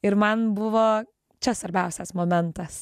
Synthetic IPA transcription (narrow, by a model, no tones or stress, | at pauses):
ɪɾmɐnbʊʋoː | t͡ʃʲɛsʋɐɾʲbʲɛʊsʲɛsmoːmʲɛnt̪ɐs